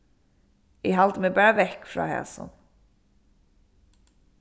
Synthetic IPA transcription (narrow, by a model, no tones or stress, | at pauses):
ɪɦald̪əmeːbæʋɛkːfɾɑ̰ːhɛ̰sʊ̰n